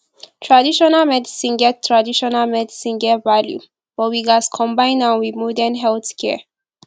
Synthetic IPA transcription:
tʰɹadiʃɔnalmɛdisĩnɡɛttʰːɹadiʃɔnalmɛdisĩnɡɛvaljṵ | bɔwiɡaskʰɔ̃mbãj̃nãnwiðmɔdənɦɛlθkʰɛ̰

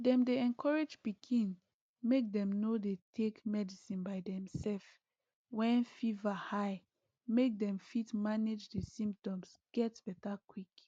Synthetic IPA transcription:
dɛ̃mdeɛ̃nkʰɔɹed͡ʒbikʰĩn | mek̚dɛ̃mnodetʰekmɛdisĩnbaɪdɛ̃msɛlf | wɛ̃nfivahaɪ | mek̚dɛ̃mfitmaned͡ʒdesĩmp̚tɔ̃msɡ̥ɛtb̥ɛtakwik

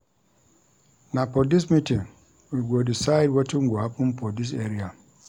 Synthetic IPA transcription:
napɔdismitĩŋ | wiɡodisajd̚wɔtiŋɡʷɔhapũnpʰɔdis̬eɾia

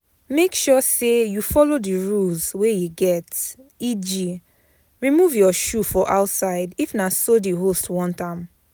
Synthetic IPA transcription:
mekʃɔsejufɔlodiɹuzwejuɡɛtid͡ʒi | ɹimuvjɔʃufɔʔaʊtsaɪdifnasodiɦostwɔ̃ntãm

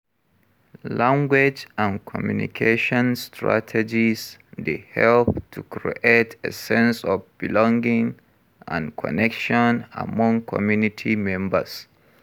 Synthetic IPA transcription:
lãŋɡwɪd͡ʒãnkʰɔmjunḭkʰeʃɔ̃nstʰɹa̰tʰɛd͡ʒizdehɛlp̚tʰukʰɹḭʔetʰḛsɛ̃nsɔvbilɔ̃ŋɡĩŋ | ã̰nkʰɔ̰nɛkʃɔ̃na̰mɔ̃ŋkʰɔ̰mjunitʰimɛ̃mbə̰s

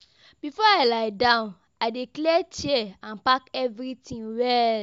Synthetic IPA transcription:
b̥ifɔaɪlaɪdãʊ̃n | adeklɛt͡ʃiɛãnpakɛvɾitĩŋwɛl

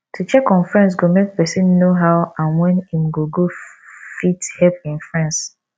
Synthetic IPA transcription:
tʰut͡ʃɛkɔ̃nfɹɛ̃ns̬ɡomek̚pɛsĩnːoɦaʊãnwɛ̃nĩmɡoɡofithɛpĩnfɹãns

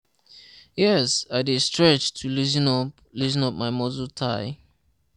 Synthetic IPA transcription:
jɛsaɪdistɹɛt͡ʃtʰulizinɔ | lizĩnɔp̚maɪmɔzultʰaɪ

